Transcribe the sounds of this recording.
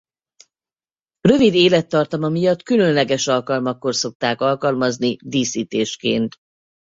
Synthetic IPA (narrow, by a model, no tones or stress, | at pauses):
rø̞vid̪eːlɛt̪ːɒrt̪ɒmɒmijɒt̪kylø̞nlɛɡɛʃɒlkɒlmɒkːo̞rso̞k̚t̪aːkɒlkɒlmɒznid̪iːsiːt̪eːʃkḛːnt̪